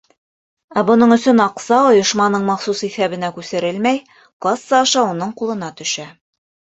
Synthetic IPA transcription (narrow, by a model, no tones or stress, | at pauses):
æbŏnɤɴɵ̆sɵnɑqsɑŏjŏʃmɑnɤɴmɑχsusiθæβɘ̆nækʉsɘ̆ɾɘlmæj | qlˠɑsːɑːʃɑunɤɴqulˠɤ̆nɑt̪ɵ̆ʃæ